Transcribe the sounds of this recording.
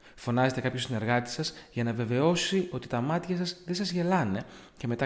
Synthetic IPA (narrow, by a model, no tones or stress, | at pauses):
fo̞nɐze̞t̪e̞kɐpçosine̞ɾɣɐt̪i̥sɐsʝɐnɐve̞ve̞o̞sio̞t̪i̥t̪ɐmɐt̪çɐsɐzðesɐzʝe̞lɐne̞ | ce̞me̞t̪ɐ